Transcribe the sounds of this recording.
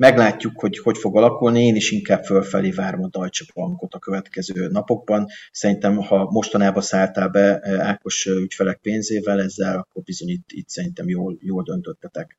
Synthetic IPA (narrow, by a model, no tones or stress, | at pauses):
mɛɡlaːcːukho̞ɟho̞cfo̞ɡɒlɒkulnieːniʃiŋkaːbfølfɛ̰leːvaːɾo̞mɒd̪ɒjt͡ʃɒbɒŋko̞t̪ɒkø̞vɛt̪kɛzøːnɒpo̞ɡ̚bɒnsɛɾint̪ɛmhɒmo̞ʃt̪ɒnaːbɒsaːlt̪aːlbɛaːko̞ʃøycfɛlɛk̚peːnzeːvɛlɛzːɛlɒkːo̞rbizo̞ɲit̪ːḭt̪sɛɾint̪ɛmjoːljoːld̪ø̞nt̪øt̪ːɛt̪ɛk